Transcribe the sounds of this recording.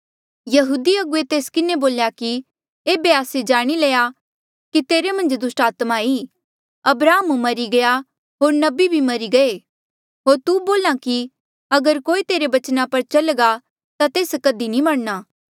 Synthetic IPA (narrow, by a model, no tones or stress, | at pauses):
jɐɦuːd̪iɐɡʊet̪eːskɪnẽboːljaki | eːbeaːsed͡ʒaːɽ̃ileːja | kit̪eːɾemɐ̃nd͡ʒd̪ʊsʈaːt̪maiː | ɐbɾaːmumɐɾiɡɐja | ɦoːɾnɐbibʱimɐɾiɡɐeː | ɦoːɾt̪uboːlãki | ɐɡəɾkoːit̪eːɾebɐt͡ʃnapɐɾt͡ʃɐlɡa | t̪at̪eːskɐd̪inĩmɐɽnaː